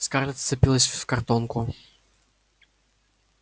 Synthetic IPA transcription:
skaɾlʲɪt̪t̪sɨpʲilˠəsʲffkɐrt̪onkʊ

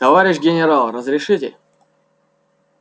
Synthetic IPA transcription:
t̪ɐvaɾʲɪɕɡʲɪnʲɪɾalˠrəzɾʲɪʂɨtʲɪ̰

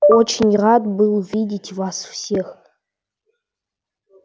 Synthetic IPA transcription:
ot͡ʃʰɪnʲradbɨluvʲidʲitʲʰvasfsex

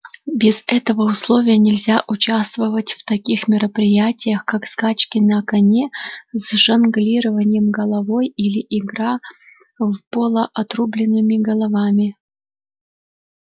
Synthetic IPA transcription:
bʲɪzɛt̪əvəʊslˠo̞vʲɪjənʲɪlʲzʲaʔʊt͡ɕast̪vəvətʲft̪ɐkʲixmʲɪɾəpɾʲɪjætʲɪjəxkakskat͡ɕkʲɪnɐkɐnʲezʐɐnɡlʲiɾəvənʲɪjəmɡəlˠɐvo̞jilʲɪʔɪɡɾa | vpolˠəʔɐt̪rublʲɪnːɨmʲɪɡəlˠɐvamʲɪ

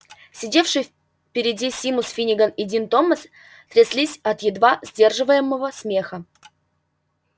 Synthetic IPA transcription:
sʲɪdʲe̞fʂɨjf | pʲɪɾʲɪdʲisʲimʊsfʲinʲɪɡənɪdʲint̪o̞mːəs | t̪ɾʲɪslʲisʲɐt̪jɪd̪vazʲdʲe̞rʐɨvəjɪmːəvəsmʲe̞xə

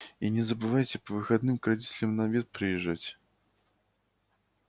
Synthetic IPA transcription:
inʲɪzəbɨvajtʲɪpəvɨxɐd̪nɨmkɾɐdʲitʲɪlʲɪmnɐvʲet̪̚pɾʲɪjɪʐːatʲ

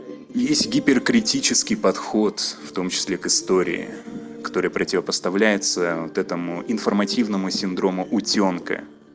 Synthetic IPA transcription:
jesʲtʲɡʲɪpʲɪrkɾʲɪtʲit͡ɕɪskʲɪjpɐt̪xo̞t̪ft̪o̞mt͡ɕɪ̥sʲlʲekɨst̪o̞ɾʲɪ̰ɪ̰ | kɐ̥t̪o̞ɾɨjəpɾətʲɪvəpəst̪ɐvlʲæjɪt̪səvot̪ɛt̪əmʊɪnfərmɐtʲivnəmʊsʲɪnd̪ɾo̞mʊʔʊtʲo̞nkə̰

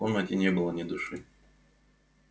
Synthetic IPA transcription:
onːətʲɪnʲebɨlˠənʲɪd̪ʊʂɨ

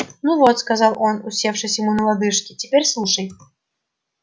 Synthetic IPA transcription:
nuvot̪skɐzɑlˠʔonʊsʲefʂɨsʲjɪmunəlˠad̪ɨʂkʲɪtʲɪpʲeɾʲslˠuʂəj

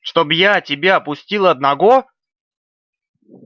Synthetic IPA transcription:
ʂt̪o̞bjatʲɪbʲaɐpʊsʲtʲilˠəɐd̪nɐɡo

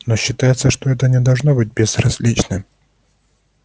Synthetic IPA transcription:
noɕːɪt̪ajɪt̪səʂt̪oɛt̪ənʲɪd̪ɐlˠʐno̞bɨt̚ʲbʲez̥rɐzʲlʲit͡ɕnɨm

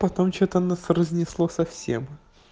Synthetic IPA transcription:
pɐt̪omt͡ɕot̪ənasrəzʲnʲɪslˠosɐfsʲḛm

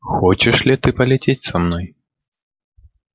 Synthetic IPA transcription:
xɔt͡ʃɛʂlʲit̪ɨpɐlʲɛt͡sʲet͡sʲsamnɔj

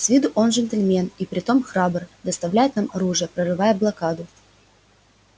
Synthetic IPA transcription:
sʲvʲid̪ʊʔo̞nʐɨnt̪əlʲmʲe̞nipɾʲɪt̪o̞mxɾabərd̪əst̪ɐvlʲæjɪt̪namɐɾuʐɨjəpɾərɨvajəblˠɐkad̪ʊ

